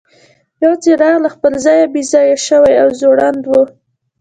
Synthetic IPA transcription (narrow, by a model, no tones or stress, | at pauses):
jɑt͡seɾaɣlaxpəlzɑjabizɑjaʃəwajawzoɽand̪wo